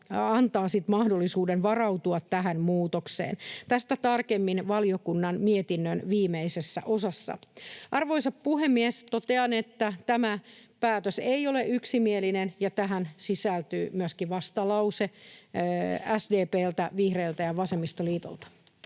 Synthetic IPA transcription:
ɑnt̪ɑːsit̪mɑhdolːisuːdenʋɑrɑwt̪uɑt̪tæɦænmuːt̪oksḛːnt̪æst̪æt̪ɑrkemːinʋɑliokunːɑnmiet̪inːønʋiːmeisesːæ̰ʔosɑsːɑ̰ʔɑrʋoisɑppuhemːiest̪ot̪eɑnet̪ːæt̪æmæpæːt̪øseioleyksimielinenjɑt̪æɦænsisælt̪yːmyøskiʋɑst̪ɑlɑuse | æsdeːpeːlt̪æʋihreːlt̪æjɑʋɑsemːist̪oliːt̪o̰lt̪ɑ̥

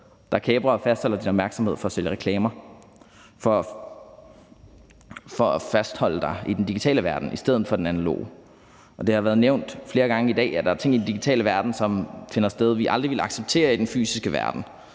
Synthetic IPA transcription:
d̥ɑ̈kʰeːb̥ʁɐfæsd̥hɒ̽l̰ɐd̥inɒb̥mæɐɡ̥sɒmhe̝ð̰ˠfɒ̽æsøljəʁɛkʰlɛːmɐ | fɒ | fɒæfæsd̥hɒ̽l̰əd̥ɑ̈ɪid̥endiɡ̥it͡sʰɛ̰ːləʋæɐd̥n̩ʔisd̥eð̞̰ˠð̩ˠfɒ̽d̥enænælo̝̰ː | ʔɒ̽d̥e̝hɑ̈ʋæːɐðˠneʊ̰nd̥fle̝ːɐɡ̥ɑ̈ŋəid̥ɛ̰ːæd̥ɑ̈æɐt͡sʰe̝ŋ̰id̥en̩d̥iɡ̥i̥t͡sʰɛ̰ːləʋæɐd̥n̩sɒ̽mfe̝nɐsd̥eð̞ˠʋiʔɑ̈ld̥ʁiʋe̝lɑ̈ɡ̥seb̥̚t͡sʰe̝̰ːɐid̥enfy̰ːsisɡ̥əʋæɐd̥n̩

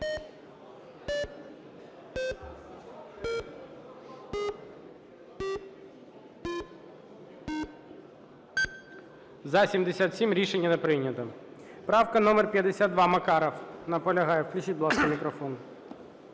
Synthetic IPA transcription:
zɐsʲimd̪esʲat̪sʲimɾʲiʃenʲːɐnepɾɪnʲːɐt̪ɐ | pɾɑwkɐnɔmerpʲjɐd̪esʲad̪d̪ʋɑmɐkɑɾɐwnɐpɔlʲɐɦɑjɛwklʲʊt͡ʃit̪̚ʲblˠɑskɐmʲikɾɔfɔn

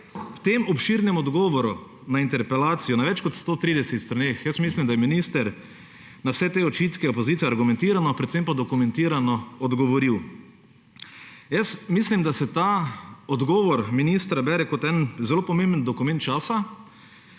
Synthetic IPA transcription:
wt̪emɔpʃiːɾnɛmɔd̪ɡɔːʋɔɾu | naint̪ɛɾpɛlaːt̪sijɔnaʋɛt͡ʃkɔt̪st̪oːt̪ɾiːd̪ɛset̪st̪ɾaneːxjəsmislimd̪ajɛminiːst̪ɛɾ | nawsɛt̪eːɔt͡ʃiːt̪kɛɔpɔziːt̪iɛaɾɡumɛ̃nt̪iːɾanɔpɾɛt̪sempad̪ɔkumɛ̃nt̪iːɾanɔɔd̪ɡɔʋɔɾiw | jəsmiːslimd̪asɛt̪aːɔd̪ɡɔːʋɔɾminist̪ɾabɛɾɛkɔt̪ɛnzɛloːpɔmembənd̪ɔkumɛnt̪t͡ʃaːsa

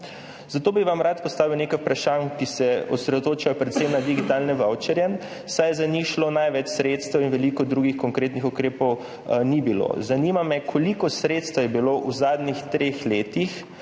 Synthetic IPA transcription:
zat̪oːbiʋamɾat̪pɔst̪aːʋiwnekajupɾaʃankisɛɔsɾɛd̪ot̪oːt͡ʃajɔpɾɛt̪semnad̪iɡit̪alnɛʋawt͡ʃɛɾjɛn | sajɛzaniʃlonajʋɛt͡ʃsɾeːt̪st̪ɛwinʋɛlikɔd̪ɾuːɡixkɔŋkɾeːt̪nixukɾeːpɔw | nibilo̰zanimamɛkʰɔlikɔsɾeːt̪st̪ʋajɛbiloʔuzaːd̪nixt̪ɾexleːt̪ix

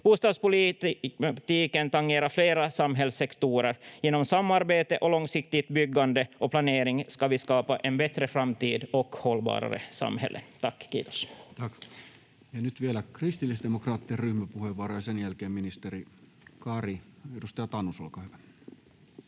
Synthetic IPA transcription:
b̥uːst̪ɑːd̪spʊli | t̪iːkənt̪ɑŋːeːɾɑɾfleːɾɑsɑmɦɛlsːɛkt̪uːɾəɾjɛːnɔmsɑmːɑɾbeːt̪əʔɔlɔŋːsɪkt̪ɪt̪bʏɡːɑnd̪əʔɔpʰlɑneːɾɪŋskɑʋiskɑːpɑʔenbɛt̪ɾəfɾamt̪iːd̪ɔkhɔlːbɑ̰ːɾɑ̰ɾə̰sɑ̰mhɛ̰lːʔə̰t̪ʰɑkːkḭːt̪o̥st̪ɑk | jɑnyt̪ʋielækrist̪ilːisd̪emokrɑːt̪ːierryhmæpuheʋɑɾojɑsenjælkeːmminist̪eɾi | kɑriedust̪ɑjɑt̪ɑnːusolkɑːhyʋæ

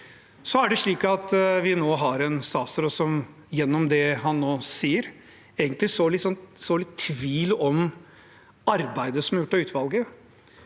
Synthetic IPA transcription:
sɔæɖɛʂɭiːkɑt̪ʋɪnoːɦɑɾɛnsɑːsəɾɔsɔm | jɛnːɔmd̪ɛɦɑnːoːsiːəɾ | eːɡənt̪lɪsɔlɪt̪sɔnsɔlɪt̪ʰːʋiːlɔm | ɑɾbæɪd̪əsɔmæɾjʊʈːɑʉːt̪ʋɑlɡə

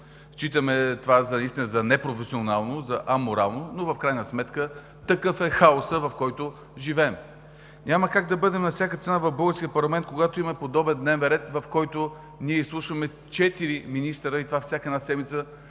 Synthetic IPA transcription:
ʃt͡ʃit̪əmɛt̪ovazɐnɐist̪inəzɐnɛpɾofɛsionalˠnozɐʔɐmoɾalˠnonovɐfkɾajnəsmɛt̪kə | t̪ɐkɤfɛxaosəvɐfkɔjt̪ʊ | ʒivɛːm | ɲʲaməkaɡ̚d̪ɐbɤd̪ɛmnɐfsʲjakət̪sɛnavɐvbɤlˠɡəɾskiəpɐɾlˠɐmɛnt̪̚koɡat̪oimɐpod̪ɔbɛnd̪nɛvɛnɾɛt̪vɐfkɔjt̪o | niɛislˠuʃəmɛ | t͡ʃɛt̪iɾiminist̪ɾəit̪ovafsʲakəɛd̪nasɛd̪mit̪sə

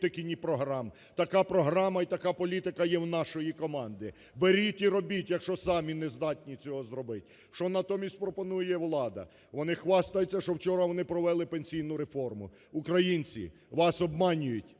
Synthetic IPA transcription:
t̪ɪkʲɪnʲipɾɔɦɾɑm | t̪ɐkɑpɾɔɦɾɑmɐit̪ɐkɑpɔlʲit̪ɪkɐjɛwnɑʃɔjikɔmɑnd̪ɪ | beɾʲit̪ʲiɾɔbʲitʲjɐkʃt͡ʃɔsɑmʲinezd̪ɑtʲnʲit͡sʲɔɦɔzɾɔbɪtʲ | ʃt͡ʃɔnɐt̪ɔmʲisʲtʲpɾɔpɔnujɛʋlˠɑd̪ɐ̰ | ʋɔnɪxʋɑst̪ɐjʊt͡sʲːɐʃɔwt͡ʃɔɾɐʋɔnɪpɾɔʋɛlˠɪpenʲsʲijnʊɾefɔrmʊ̰ | ukɾɐjinʲt͡sʲḭ | ʋɑsɔbmɑnʲʊjʊtʲ

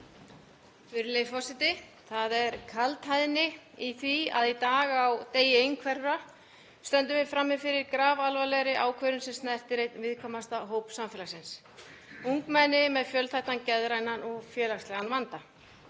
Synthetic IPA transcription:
fɪɾɪlejfɔsɪt̪ɪ | θaðɛɾkʰalt̪hajðnɪ | iθvia̰ðit̪aːɣawt̪eːjɪejnkʰvɛɾɾa | st̪ɛnt̪ʏmvɪfɾamːɪfɪɾɪɾkɾaːvalvalɛɣɾɪʔaːwkʰvœɾʏnsɛmst̪nɛr̥t̪ɪɾejt̪nvɪðkʰɔːmast̪aɦoːwpsamfɛːlasɪns | uŋkmɛnːɪmɛðfjœlθajht̪ancɛðɾajnanɔɣfjɛːlaxst̪lɛɣanvant̪a

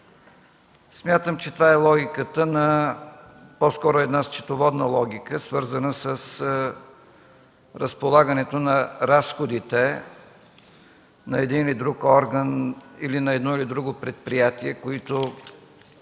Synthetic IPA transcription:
smʲjat̪əmt͡ʃɛt̪ovaɛlˠɔɡʲikət̪ənɐ | pɔskɔɾoɛd̪nast͡ʃɛ̥t̪ovɔd̪nəlˠɔɡʲikəsvɤɾzənəsəs | ɾəspolˠaɡənɛt̪onɐɾasxod̪it̪ɛ | nɐɛd̪inilid̪ɾukɔɾɡənilinɐɛd̪nɔilid̪ɾuɡʊpɾɛt̪̚pɾijat̪iɛkoit̪o

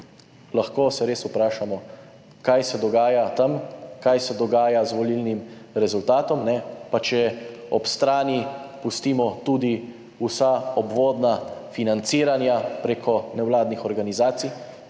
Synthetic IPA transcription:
laxkoːsɛɾeːsupɾaːʃamɔ | kajsɛd̪ɔɡaːjat̪amkajsɛd̪ɔɡaːjazʋɔlilnimɾɛzult̪aːt̪ɔmnɛpat͡ʃɛɔpst̪ɾaːnipust̪imɔt̪uːd̪i | usaɔbʋoːd̪nafinant̪siːɾanjapɾeːkʰɔnɛwlaːd̪nixɔɾɡanizaːt̪si

